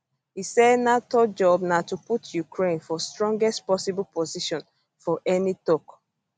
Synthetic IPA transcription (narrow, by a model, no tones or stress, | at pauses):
hisɛdnatod͡ʒɔbnatuputjukɹẽnfɔstɹɔ̃ŋɡɛstpɔsibɔlpoziʃɔ̃n | fɔʔɛnitɔk